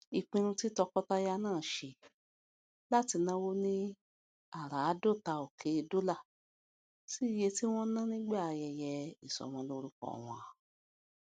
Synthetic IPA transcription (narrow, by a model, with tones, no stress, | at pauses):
i˨k͡pĩ˧ɾ̃ũ˧ti˦tɔ˧kɔ˦ta˦ja˦˧nãː˦˨ʃe˧ | la˦ti˧nã˦wo˦nĩ˦ | a˦˨ɾa˨a˨˦do˦˨ta˧o˨kʰe˨˦˧do˦la˦˨ | si˦i˦˨je˧ti˦w̃ɔ̃˦nã˦nĩ˦ɡ͡ba˦˨a˧jɛ˧jɛ˧i˨sɔ̰˨m̃ɔ̃˧lo˧ɾu˦kɔ̰˦˨w̃ɔ̃˧a˨